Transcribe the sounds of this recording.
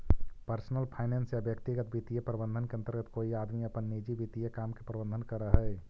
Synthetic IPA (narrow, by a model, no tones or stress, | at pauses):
pəɾsnəlpʰaːɪnensjabjək̚t̪iɡət̪̚bit̪ijepɾəbə̃nd̪ʱənkeɐnt̪əɾɡət̪koːiaːd̪miɐpənːid͡ʒibit̪ijəkaːmkepɾəbə̃nd̪ʱənkəɾəɦɛ